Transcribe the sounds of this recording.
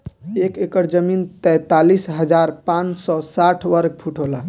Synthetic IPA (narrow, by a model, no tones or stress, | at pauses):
ekekəɾd͡ʒəmint̪ɛ̃t̪alisɦəd͡ʒaɾpãnsɔsaʈʰʋəɾɡ̚pʰuʈʰola